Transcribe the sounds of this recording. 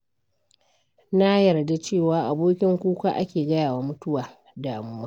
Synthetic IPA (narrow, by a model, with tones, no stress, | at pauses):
na˦jɐ˨rda˦t͡ʃeː˦˨waː˨˦ʔa˨boː˦kʲɪ˦ŋkʷuː˦kʷa˦ʔa̰˦kʲeː˨ɡɐ˦jaː˨wa˦mʊ˦tʊ˦waː˨ | daː˨mu˦maː˦